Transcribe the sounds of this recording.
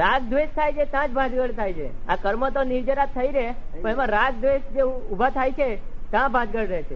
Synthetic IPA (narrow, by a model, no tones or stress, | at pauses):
ɾaɡ̚d̪ʋeʃt̪ʰajt͡ʃʰet̪jãd͡ʒbʱãd͡ʒɡəɭt̪ʰajt͡ʃʰeakəɾmət̪oniɾd͡ʒəɾap̚t̪ʰəiɾeepə̃emãɾaɡ̚d̪ʋeʃd͡ʒeubʱat̪ʰajt͡ʃʰet̪jãbʱãd͡ʒɡəɽɾəɦt͡ʃʰe